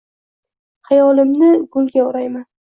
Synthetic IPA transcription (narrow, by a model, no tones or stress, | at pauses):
hɑjɒlɪmnɪɡʊlˠɡʲaʊɾajman